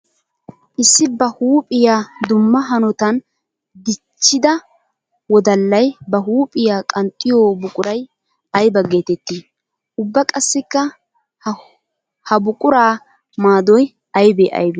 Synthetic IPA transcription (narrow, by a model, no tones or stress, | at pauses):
ʔɪsːɪbɐhuːpʼɪjaːd̪ʊmːɐɦɐnɔt̪ɐn | d̪ɪt͡ʃːɪd̪ɐ | wɔd̪ɐlːɐjbɐɦuːpʼɪjaːkʼɐnt̪ʼːɪjoːbʊkʼʊɾɐj | ɐjbɐɡe̞ːt̪ɛt̪ːiː | ʔʊbːɐkʼɐsːɪkːɐ | hɐbʊkʼʊɾaː | maːd̪ɔj | ɐjbeːʔɐ̰jbe